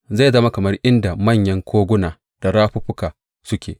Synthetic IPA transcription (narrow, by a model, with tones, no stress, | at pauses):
za˦˨zɐ˦ma˦kɐ˨mɐ˦rʔɪ˦nda˨mɐ˦˨ɲjɐ˦ŋkʷʰoː˦ɡʷʊ˦naː˨ | d̥a˨ɾaː˦ɸʊ˦ɸʊ˦kaː˨ | sʊ˦kʲʰḛː˨